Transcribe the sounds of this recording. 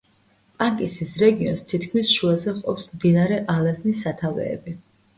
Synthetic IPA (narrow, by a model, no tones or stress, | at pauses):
pʼaŋkʼisisɾɛɡiɔnst̪ʰit̪ʰkʰmisʃuazɛqʼɔpsmd̪inaɾɛʔalˠaznisːat̪ʰavɛ̰ːbi